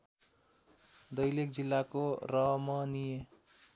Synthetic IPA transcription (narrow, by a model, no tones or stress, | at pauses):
d̪ʌjlek̚d͡zilːakoɾʌmʌnije